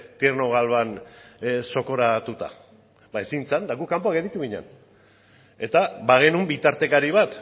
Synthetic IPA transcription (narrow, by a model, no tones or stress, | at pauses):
t̪ierno̞ɣ̞alβan | so̞ko̞ɾat̪ut̪a̰ | baesint͡sand̪aɣukːampoakeðit̪uɣiɲa̰n | e̞t̪abaɣ̞e̞numbit̪aɾt̪e̞kaɾiβat̪